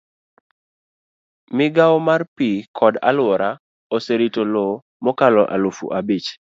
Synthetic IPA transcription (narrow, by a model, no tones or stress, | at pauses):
mɪɡawmarpikʰɔda̰lwɔɾa | oseɾitolo | mɔkalɔʔa̰lofṵʔabit͡ʃ